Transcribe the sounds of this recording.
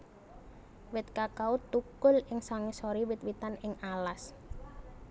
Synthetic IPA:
wɪt̪̚kakaut̪ukʊlɪŋsaŋɪsoɾiwɪt̪̚wit̪anɪŋalas

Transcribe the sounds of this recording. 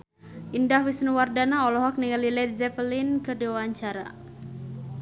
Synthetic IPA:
ʔindahwisnuwardanaɔlɔɦɔk̚niŋalilɛd̪zɛpəlinkɨrdiwaaɲt͡ʃaɾa̰

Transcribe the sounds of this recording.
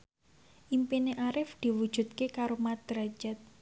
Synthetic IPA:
ʔimpineʔaɾɪfd̪̥i̤wud̥ʒ̥ṳt̪̚kekaɾomat̪̚ɾad͡ʒɛt̪̚

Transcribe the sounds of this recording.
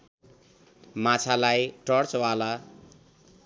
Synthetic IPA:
mat͡sʰalajʈʌrt͡swala

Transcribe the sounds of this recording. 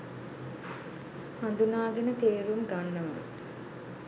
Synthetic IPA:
hand̪unaːɡenət̪eːɾumɡanːəʋa̰

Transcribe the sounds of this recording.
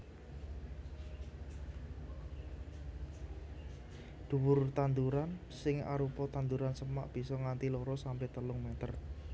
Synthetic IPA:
d̪̥ṳwʊrt̪and̪uɾan | sɪŋa̰ɾupɔt̪and̪uɾansəma̰ʔb̥i̤sɔŋant̪ilɔɾɔsampɛht̪əlʊŋmɛt̪ər

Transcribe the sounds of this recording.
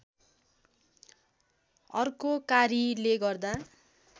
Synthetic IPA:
ʌrkokaɾileɡʌrd̪a

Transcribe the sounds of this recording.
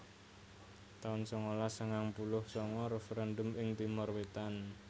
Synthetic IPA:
t̪aʊnsɔŋolasəŋaŋpulʊhsɔŋɔɾɛfeɾand̪ʊmɪŋt̪imʊrwet̪an

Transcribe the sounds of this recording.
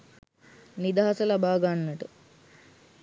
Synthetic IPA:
nid̪aɦɐsɐlɐbaːɡanːɐʈu

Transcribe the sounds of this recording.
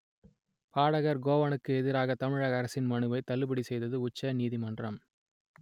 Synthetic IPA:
paːɽɐɣɐɾɡoːʋɐnɯkːɯɛðɪɾaːɣɐt̪ɐmɪɻɐɣɐɾɐsɪnmɐɳɯʋɐɪt̪ɐlːɯbɪɽisɛjðɐðɯʊt͡ʃːɐniːðimɐndrɐm

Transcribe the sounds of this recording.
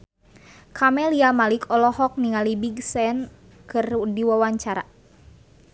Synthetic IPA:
kʰamɛliamalikʰɔlɔhɔk̚niŋalibiɡsɛn | kɨrdiwawaɲt͡ʃaɾa̰

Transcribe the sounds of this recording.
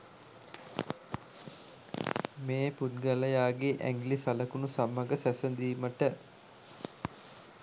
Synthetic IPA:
meːput̪̚ɡaləjaːɡeʔæ̰ŋɡlisaləkunusamːɐɡəsæsənd̪iːməʈə

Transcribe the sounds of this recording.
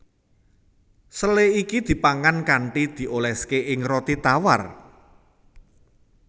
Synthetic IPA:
səleikid̪̥i̤paŋankaɳʈid̪̥i̤ʔolɛskeʔɪŋrɔt̪it̪awa̰r

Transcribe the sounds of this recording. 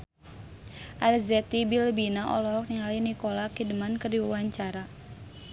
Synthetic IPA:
ʔalzɛt̪ibilbinaʔɔ̰lɔɦɔk̚niŋalinikɔlakidəmankərdiwawaɲt͡ʃaɾa

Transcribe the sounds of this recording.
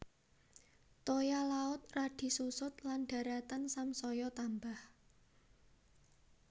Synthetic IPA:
t̪ojalaʊt̪̚raɖ̥i̤susʊt̪̚lanɖ̥ä̤ɾat̪ansamsɔjɔt̪ambah

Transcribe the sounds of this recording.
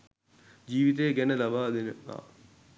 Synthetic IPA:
d͡ʒiːʋit̪̬ejəɡɛnəlɐbaːd̪enəa̰ː

